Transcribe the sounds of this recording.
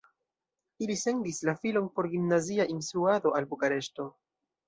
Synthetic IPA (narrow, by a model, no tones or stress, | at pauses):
ilise̞ndislafilo̞npo̞ɾɡimnaziaʔinstɾuado̞ʔalbukaɾe̞ʃto̞